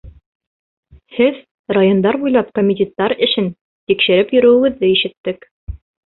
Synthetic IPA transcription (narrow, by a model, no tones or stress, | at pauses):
hɘð | rajond̪ɑɾbujlˠɑp̚komʲɪt̪ʲet̪ːɑɾɘ̆ʃɘn | t̪ikʃɘ̆ɾɘpjɵ̆ɾɵ̆wɘ̆ɡɘ̆ðːɘiʃɘ̆t̪ːɘk